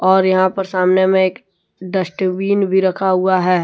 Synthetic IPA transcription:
ɔːɾjɐɦãpɐɾsaːmnemẽeːk | ɖ̪əʃʈwiːnbʱiɾɐkʰaɦuaɦɛː

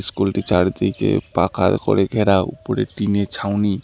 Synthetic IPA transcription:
skulʈit͡ʃaɽd̪ijkḛpakʰakɔɾeɡʱeɾaṵpɔɾḛʈinet͡ʃʰawni

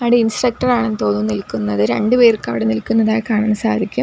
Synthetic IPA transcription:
ɐɽeinsrɐk̚ʈɐraːɳent̪o̞ːnːumnilkːunːɐðɨɾe̞ɳɖɨpeːrkːɐʋiɽenilkːunːɐðaːjkaːɳaːɳɨsaːɐd̪ʱikʲːum

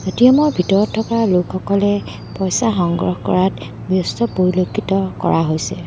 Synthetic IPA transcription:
zotijɔmɔɹbʱitɔɹɔtʰːɔpɔalokxɔkɔlɛ | pɔjsaxɔŋɡɹɔ̰xkɔ̰ɹat | bjɔstɔpoɹilokʰːitɔkɔ̰ɹaɦojsɛ

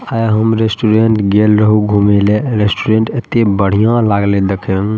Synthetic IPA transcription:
ajɦəmɾesʈuɾeɳʈɡelɾəɦuɡʱumeleɾesʈuɾeɳʈet̪ebəɽ̤ijãlaɡled̪ekʰẽ

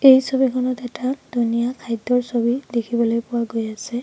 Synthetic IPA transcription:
ejsobikʰɔnɔtɛtad̥ʱunijakʰajdːɔɹsobidekʰibɔlojpʊwaɡojasɛ

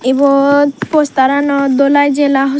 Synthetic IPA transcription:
ebɔpɔst̪aɾanɔd̪ɔlajd͡ʒelaɦɔ

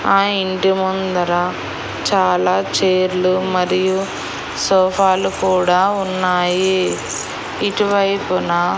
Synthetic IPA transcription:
aːiɳɖimund̪ɐɾɐ | t͡ʃaːlaːt͡ʃeːɾlumɐɾiju | sɔːpʰaːlukuːɽaːunːaːji | iʈiʋɐjpuna

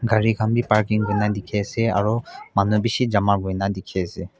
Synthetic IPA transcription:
ɡʱaɹiɡʱambipaɹkiŋɡojnadikʰɛasɛaɹumanubisizamaɡojnadikʰɛasɛ

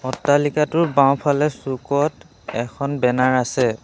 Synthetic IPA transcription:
ɔtːalikatʊɹbaw̃pʰalɛsukɔt | ɛkʰɔnbɛnaɹasɛ

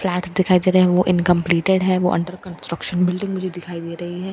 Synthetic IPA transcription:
flɛːʈsd̪ɪkʰaːid̪eːɾɐɦɦɛʋoʔɪnkə̃mpliːʈeɖɦɛʋo̰ʔɐ̰̃ɳɖəɾkɐ̃nsʈɾəkʃənbɪlɖɪ̃ŋɡmʊd͡ʒʱed̪ɪkʰaːid̪eːɾɐɦiɦɛː

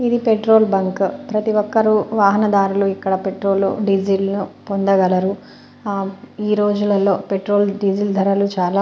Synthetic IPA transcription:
id̪ipeʈɾo̞ːlbɐŋkpɾɐt̪iʋɔkːɐɾuʋaːɦɐnɐd̪aːɾuluikːɐɽɐpeʈɾo̞ːlːo̰ɖid͡ʒilnupond̪ɐɡɐlɐɾu | iːɾo̞ːd͡ʒulɐlo̞ːpeʈɾoːlɖid͡ʒild̪ʱɐɾɐlut͡ʃaːlaː

